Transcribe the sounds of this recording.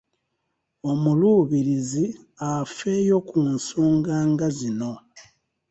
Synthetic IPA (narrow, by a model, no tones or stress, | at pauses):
o̞muluːβiɾizi | afe̞jo̞kunsuːŋɡaːŋɡazino̞